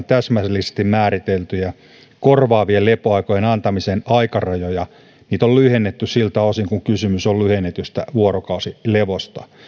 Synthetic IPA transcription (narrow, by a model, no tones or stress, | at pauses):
nt̪æsmæslːise̥st̪immæːrit̪elt̪yjæ | korʋɑːʋielepoɑikojenɑnt̪ɑmisenɑikɑrɑjojɑ | niːt̪ollyhenːet̪ːyssilt̪ɑosiŋkuŋkysymysollyhenːet̪yst̪æ̰ʋuorokɑusileʋost̪ɑ̥